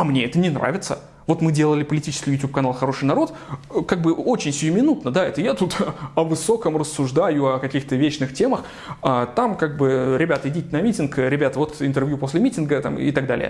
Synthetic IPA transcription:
ɐmnʲe̞ɛt̪ənʲɪnɾa̰vʲɪt̪sə | vo̞t̪mɨdʲe̞lˠəlʲɪpəlʲɪtʲit͡ɕɪskʲɪjʊtʲup̚kɐnalˠxɐɾo̞ʂɨjnɐɾo̞t̪kaɡ̚bɨo̞t͡ɕɪnʲsʲɪjʊmʲɪnut̪nəd̪aɛt̪əjat̪ut̪ɐvɨso̞kəmrəsːʊʐd̪ajʊɐkɐkʲixt̪əvʲet͡ɕnɨxtʲeməx | at̪amkaɡ̚bɨɾʲɪbʲat̪əɪdʲitʲɪnɐmʲitʲɪnkɾʲɪbʲat̪əvo̞t̪ɪnt̪ɨrvjupo̞sʲlʲɪmʲitʲɪnɡət̪a̰mɪ̰t̪aɡ̚d̪a̰lʲɪ̰ə̰

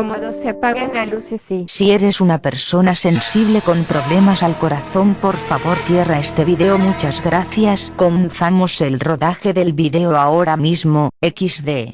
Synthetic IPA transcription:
moðosaalusisie̞ɾe̞sunape̞ɾso̞nase̞nnsiβle̞ko̞mpɾo̞βle̞masalko̞ɾaθo̞mpo̞ɾfaβo̞ɾθje̞raest̪e̞βiðe̞omut͡ʃazɣɾaθjasko̞menθamo̞selro̞ðaxe̞ðe̞lβiðeoaoɾamizmo̞ekizðe

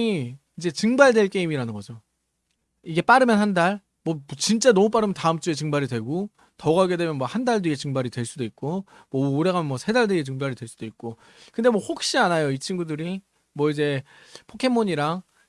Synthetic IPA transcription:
i | id͡ʑe̞t͡ɕɯŋbaɭdwe̞ɭk͈e̞imiɾanɯnɡʌd͡ʑo | iɡe̞p͈aɾɯmjʌnɦandaɭ | mwʌmʌt͡ɕint͡ɕ͈anʌmup͈aɾɯmjʌntaɯmt͡ɕ͈ue̞t͡ɕɯŋbaɾidwe̞ɡo | tʌɡaɡe̞dwe̞mjʌnmwʌhandaɭdoiet͡ɕɯŋbaɾidwe̞ɭs͈udoik̚k͈o | mwʌoɾe̞ɡamjʌnmwʌsʰe̞daɭdoiet͡ɕɯŋbaɾidwe̞ɭs͈ud̥oit̚k̚k͈o | kɯnde̞mwʌhok̚ɕ͈ianajoit͡ɕʰinɡudɯɾi | mwʌid͡ʑe̞ | pʰokʰe̞moɲiɾaŋ

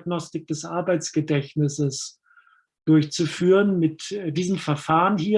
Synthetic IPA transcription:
ɡnɔstɪk̚d̥ɛsʔaɐbaɪt͡sɡ̥ədɛçnɪsəs | d̥ʊɐçt͡sufyːʁənmɪtdiːzəmfɛɐfaːʁənhiː

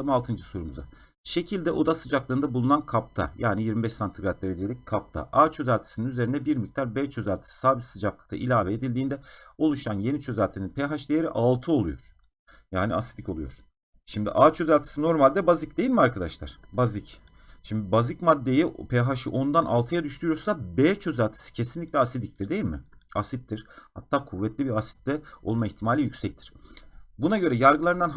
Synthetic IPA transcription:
malˠt̪ʰɯnd͡ʒɯsoɾumuza̰ | ʃe̞cʰilʲd̪ɛʔo̞d̪asɯd͡ʒaklˠaɯnd̪abulˠunankʰap̚t̪ʰa̰jʔaːnijiɾmibɛʃsant̪ʰiɡaɾt̪̚d̪eɾed͡ʒe̞lʲic̚kʰap̚t̪ʰa̰ʔaːt͡ʃʰø̞zælʲt̪ʰi̥sininyze̞ɾind̪ɛbiɾmic̚t̪ʰaɾbɛːt͡ʃʰø̞zælʲt̪ʰi̥si̥saːbit̪sɯd͡ʒaklˠɯk̚t̪ʰa̰ʔilʲaːvɛːd̪ilʲd̪iːnd̪ɛo̞lˠuʃanje̞nit͡ʃʰø̞zælʲt̪ʰininpʰeɦaʃd̪ejeɾḭʔalˠt̪ʰɯo̞lˠujoɾ̥ | jaːnḭasit̪ico̞lˠujoɾ̥ | ʃimd̪ḭʔaːt͡ʃʰø̞zalʲt̪ʰi̥sɯno̞ɾmalʲd̪ɛbazic̚d̪e̞jilʲmiaɾkʰad̪aʃlˠa̰ɾ̥bazic | ʃimd̪ibazicmad̪ːe̞jipʰeɦaʃɯʔond̪anʔa̰lˠt̪ʰɯjad̪yʃt̪ɾyjoɾsabet͡ʃʰø̞zalʲt̪ʰi̥sɯ̥cʰe̞sinlʲicʲlʲɛasid̪ic̚t̪ʰiɾd̪e̞jilʲmɪ̰asit̪ʰːiɾ̥ha̰t̪ʰːaːkʰuvːɛt̪lʲibiɾasi̥t̪̚d̪ɛo̞̰lˠmaiçt̪ʰimaːlʲijycʲsɛc̚t̪ʰi̥ɾ̥bunaɟø̞ɾɛjaɾɡɯlˠaɾɯnd̪an

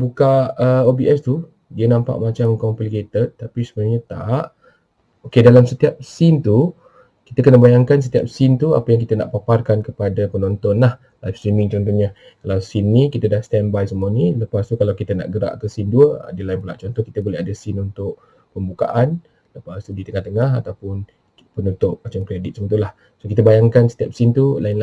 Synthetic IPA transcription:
bukaəobiʔɛst̪u | diənãmpa̰ʔmat͡ʃamkɔmpəlket̪ət̪t̪ːapisəbəɲat̪a̰ʔ | okedalamsət̪iap̚sɪnt̪u | ki̥t̪əkənəbajaŋkansət̪iap̚sint̪ua̰pajaŋkit̪əna̰ʔpaparkankəpadapənɔnt̪ɔnlah | lajfst̪ɾimiŋt͡ʃɔnt̪ɔnɲa | kalawsinːĩkit̪ədahst̪ɛmbajsəmuəniləpast̪ukalawkit̪əna̰ʔɡəɾa̰ʔkəsinduəə̰dilaɪnpəla̰ʔt͡ʃɔnt̪ɔki̥t̪əbolɛɦadəsɪnunt̪ʊʔ̚ | pəmbuka̰ʔan | ləpast̪udit̪əŋaht̪əŋaɦa̰t̪awpʊn | pənut̪ʊp̚mat͡ʃamkɾedit̪səmət̪ulah | sokit̪əbajaŋkansət̪iap̚sint̪ulaɪnl

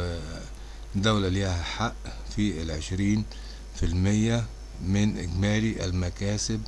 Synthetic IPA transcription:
d̪awlalihæħaʔ | filʕeʃɾiːn | fɪlmɪjːæ | mɪnʔɪ̰ɡmæːɾiʔa̰lmækæːsɪb̚

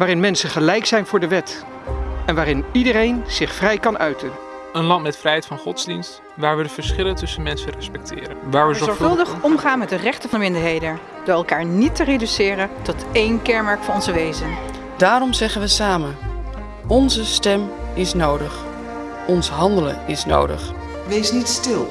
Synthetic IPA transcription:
ʋaːɾɪnmɛnsəχəlɛjksɛjnvʊːɹdəʋɛt | ɛnʋaːɾɪnidəɾejnz̥ɪχfrɛjkɑnœɥtən | ənlɑntmɛtfrɛjɦɛjtfɑnχɔtzdinst | ʋaːɹʋədəvəɹsχɪlətɵsənmɛnsərɛspɛk̚tʰɪ̰ːɾəʋaːɹʋəzɔɹzɔɹɵlˠdəχɔmχaːnmɛt̚dərɛχtənvɑndəmɪndəɹɦejdən | dʊːɹɛlˠkaːɹnitəredysɪːrəntɔtejnkɛɹmɛɹkfɑnɔnzəʋejzən | d̥aːrɔmzɛχənʋəsaːmən | ɔnzəstɛmɪsnowdəχ | ɔnsɦɑndələ̰nɪsno̰wdə̰χ | ʋejsnitstɪlˠ

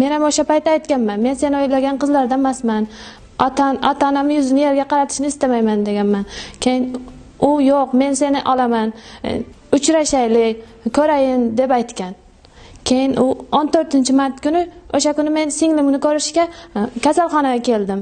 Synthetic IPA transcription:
me̞namoʃapajt̪ːajt̪kʲanmanme̞nse̞nɪojlaɡʲanqʰɨzlaɾd̪amasman | t̪nɒ̰t̪ʰɒnamɪjʊzɪnɪje̞ɾɡʲaqʰɑɾat̪ʰɪ̥ʃɪnɪst̪amajmand̪eɡʲanmankʲʰejɪn | ʊjoqme̞nse̞nɪʔɒlˠaman | ʊt͡ʃɾaʃajlɪkʲ | kʰɵɾajɪnd̪e̞pajt̪kʲan | kʲʰejɪnʔʊont̪ʰɵɾt̪ɪnt͡ʃʰɪmaɾt̪kʊnɪoʃakʊnɪme̞nsɪŋlɪmʊnɪkʰɵɾɪʃkʲakʲasalˠχɒnaɡʲakʲʰe̞ld̪ɪm

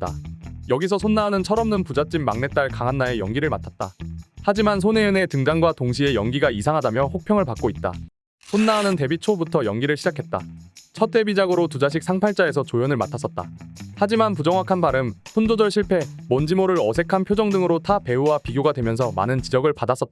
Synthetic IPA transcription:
t̚t͈a̰jʌɡisʰʌsʰonːaɦːnɯnt͡ɕʰʌɾʌmnɯnpud͡ʑat͡ɕ͈imːa̰ŋne̞t͈̚aɭkaŋɦanːaejʌŋɡiɾɯɭmatʰat̚t͈a̰had͡ʑimans̬ʰoneɯne̞tɯŋdanɡwatoŋɕ̬ʰie̞jʌŋɡiɡaisʰaŋɦadamjʌɸok̚pʰjʌŋɯɭpak͈̚oit̚t͈a̰ | sʰonːaɦːnɯnte̞bit͡ɕʰobutʰʌjʌŋɡiɾɯɭɕʰid͡ʑakʰe̞t̚t͈a̰t͡ɕʰʌt͈e̞bid͡ʑaɡɯɾotud͡ʑaɕ̬ʰik̚s͈ʰaŋpʰaɭt͡ɕ͈ae̞sʰʌt͡ɕojʌnɯɭma̰tʰas͈ʌt̚t͈a̰had͡ʑimanpud͡ʑʌŋwakʰanbaɾɯmsʰond͡ʑod͡ʑʌɭɕʰiɭpʰe̞ | mʌnd͡ʑimoɾɯɾʌsʰe̞kʰanpʰjod͡ʑʌŋdɯŋɯɾotʰape̞uwapiɡjoɡadwemjʌnsʰʌma̰nɯnt͡ɕid͡ʑʌɡɯɭpadas͈ʌt͈̚a

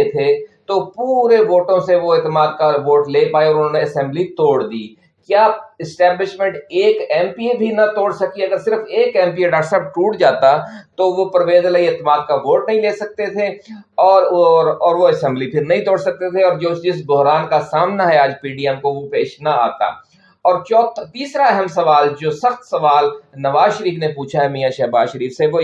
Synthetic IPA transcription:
et̪ʰet̪opuːɾeʋoːʈõseʋoɛːt̪əmaːd̪̚kaʋoːʈleːpaːeɔːɾʊnɦõneɐsɛ̃mblit̪oːɽd̪iː | kjaːɪsʈɛːblɪʃmẽɳʈeːkɛ̃ːmpiebʱinɐt̪oːɽsɐkiɐɡəɾsɪɾəfeːkɛ̃ːmpieɖaːʈsɛːp̚ʈuːʈd͡ʒaːt̪at̪oʋopɾɐʋeːzləieːt̪əmaːd̪̚kaʋoːʈnɐɦĩleːsɐk̚t̪et̪ʰe | ɔːɾɔːɾʋoɐsɛ̃mblipʰɪɾnɐɦĩt̪oːɽsɐk̚t̪et̪ʰeɔːɾd͡ʒoːsd͡ʒɪsbʊɦɾaːnkasaːmnaɦɛaːd͡ʒpiːɖiɛmkoʋopeːʃnɐa̰ːt̪a̰ː | ɔːɾt͡ʃɔːt̪t̪iːsɾaɛɦɛmsɐʋaːld͡ʒoːsɐxt̪sɐʋaːlnɐʋaːzʃɐɾiːfnepuːt͡ʃʰaɦɛmiːjaʃɛɦbaːzʃɐɾiːfseʋo

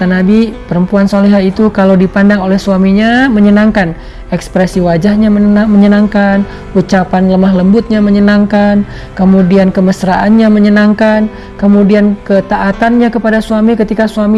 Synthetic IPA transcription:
t̪anabipəɾəmpuansoleɦat̪it̪ukalawdipandaŋolɛhsuamiɲaməɲənaŋkan | ɛkspɾɛsiwad͡ʒahɲaməaməɲənaŋkan | ut͡ʃapanləmaɦləmbʊt̪̚ɲaməɲənaŋkan | kəmudiankəməsɾaʔanɲaməɲənaŋkan | kəmudiankət̪aʔat̪anɲakəpadasuamikət̪ikasuami

